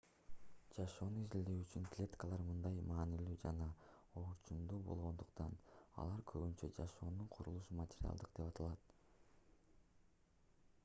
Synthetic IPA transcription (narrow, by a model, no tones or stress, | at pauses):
d͡ʒɑʃo̞ːnuizild̪eyt͡ʃyŋklʲe̞t̪kəlˠɑɾmɯnd̪ɑjmɑːnilyːd͡ʒɑnɑ | oɾt͡ʃumd̪uːbo̞̰lˠʁo̞nd̪uqt̪ɑnɑ̰lˠɑɾkʰøβynt͡ʃed͡ʒɑʃo̞ːnuɴqʰuɾulˠuʃumɐtʲeɾʲia̰lˠd̪ɯqd̪e̞pɑt̪ʰɑlˠɑt̪